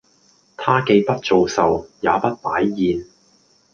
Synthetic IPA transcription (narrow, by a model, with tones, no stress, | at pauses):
t̪ʰaː˥ke˧jpɐ˥t̚t͡so˨wsɐ˨wja̰ː˨˧pɐ˥t̚paː˨˥jːiː˨n